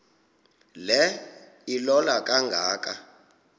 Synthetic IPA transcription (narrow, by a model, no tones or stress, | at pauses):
lɛ | ilɔlakʼaŋɡʱaːkʼa